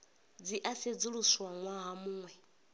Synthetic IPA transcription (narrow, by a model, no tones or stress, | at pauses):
d͡ziʔased͡zuɺuswaŋwaɦamuːŋwɛ